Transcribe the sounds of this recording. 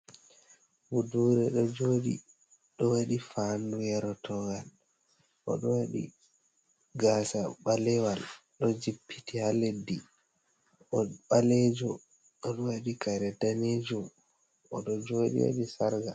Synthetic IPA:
wuduɾɛɗɔd͡ʒoɗḭ | ɗɔwaɗifandujɛɾɔtʰɔɡal | ʔɔ̰ɗɔwaɗḭ | ɡasaɓalɛwal | ɗɔd͡ʒipʰːitihaledːi | ʔɔɓalɛd͡ʒɔ | ɔɗɔwaɗikaɾɛdaned͡ʒɔ | ɔɗɔd͡ʒoɗḭwa̰ɗisaɾɡa

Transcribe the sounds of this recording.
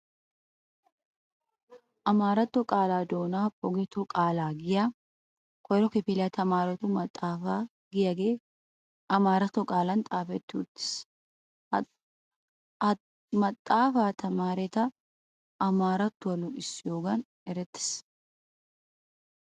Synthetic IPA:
ʔɐmaːɾɐt̪ːɔkʼaːlaːd̪o̞ːnaːpʼɔɡɛt̪ɔkʼaːlaːɡɪja | kʰɔjɾɔkɪpɪlɐt̪ɐmaːɾɛt̪ʊmɐt̪ʼːaːfaː | ɡɪjɐɡeː | ʔɐmaːɾɐt̪ːɔkʼaːlɐnt̪ʼaːfɛt̪ːɪʊt̪ːɪ̥s | mɐt̪ʼːaːfaːt̪ʰɐmaːɾɛt̪ɐ | ʔːmaːɾɐt̪ːʊɐlʊʔɪsːjoːɡɐn | ɛɾɛt̪ːɪ̥s

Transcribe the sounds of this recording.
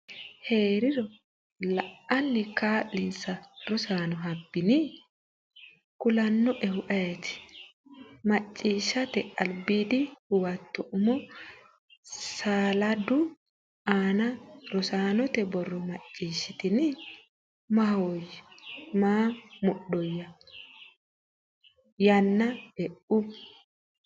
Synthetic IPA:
he̞ːɾɪɾɔ | lɐʔɐnːɪkaːlːɪnsɐɾɔsaːnɔɦɐbːɪnɪ | kʊlɐnːɔʔɛhʊʔɐjɛt̪ɪ̥ | mɐt͡ʃʼːiːʃːɐt̪ɛʔɐlbiːd̪ɪhʊwɐt̪ːɔʔʊmɔ | saːlɐd̪ʊ | aːnɐɾɔsaːnɔt̪ɛbɔrːɔmɐt͡ʃʼːiːʃːɪt̪ɪn | mɐhojmaːmʊɗɔjːɐ | jɐnːɐɛʔʊ

